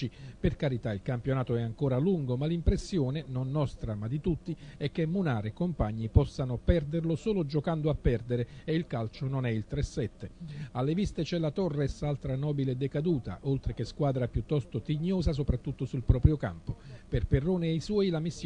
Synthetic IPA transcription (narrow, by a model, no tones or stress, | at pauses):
iperkaɾit̪ailkampjonaːt̪oɛaŋkoːɾaluŋɡomalimpɾesːjoːnenonːɔst̪ɾamad̪it̪ut̪ːiɛk̟ːemːunaːɾekompaɲːipɔsːanʊpɛrd̪erlosoːlod͡ʒokand̪oapːɛrd̪eɾeeilkalt͡ʃononɛilt̪ɾɛsːɛt̪ːealːevist̪et͡ʃɛlat̪ɔrːɛsalt̪ɾanɔːbiled̪ekad̪uːt̪a̰ʔolt̪ɾekeskwaːd̪ɾapjut̪ːɔst̪ot̪iɲːoːzas̬opɾat̪ːut̪ːosulpɾɔːpɾjoka̰mpoperperːoːneejswɔːjlamisː